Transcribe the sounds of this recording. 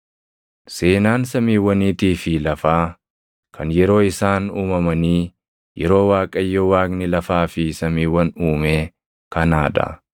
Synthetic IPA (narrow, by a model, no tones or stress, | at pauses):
se̞ːnaːnsɐmiːwːɐniːt̪iːfɪlɐfaː | kʰɐnjɛɾo̞ːɪsaːnuːmɐmɐniː | jɛɾo̞ːwaːkʼɐjːɔwaːknɪlɐfaːfɪsɐmiːwːɐnuːmeː | kɐnaːd̪ɐ̰